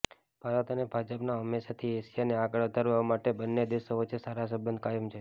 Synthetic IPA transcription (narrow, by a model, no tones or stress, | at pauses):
b̥ʱaɾət̪ənebʱad͡ʒəpnaɦəmːeʃat̪ʰieʃijaneaɡəɭəd̪ʱəɾʋaʋamaʈebənːed̪eʃoʋət͡ʃʰesaɾas̬əbənd̪̚kajəmt͡ʃʰe